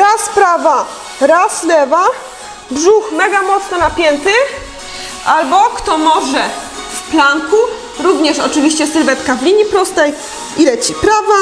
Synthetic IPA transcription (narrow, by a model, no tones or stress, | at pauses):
ɾaspɾava | ɾaslɛva | bʐuxmɛɡamɔt̪snɔnapʲjɛnt̪ɘ | ʔalbɔkt̪ɔmɔʐɛ | fplaŋku | ɾuvɲɛʂɔt͡ʂɘvʲiɕt͡ɕɛsɘɾvɛt̪kavlʲiɲipɾɔst̪ɛj | iɾɛt͡ɕipɾava